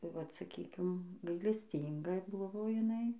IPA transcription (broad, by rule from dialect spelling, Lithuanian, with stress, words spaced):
tɐɪ ʋɐt sɐˈkʲiːkʲɪm ɡɐɪlʲɛsʲˈtʲiːŋɡɐ ˈbʊʋoː jɪˈnɐɪ